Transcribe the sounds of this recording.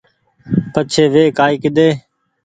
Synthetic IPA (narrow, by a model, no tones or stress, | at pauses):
pət͡ʃʰeːʋeːkaːiːkɪd̪eː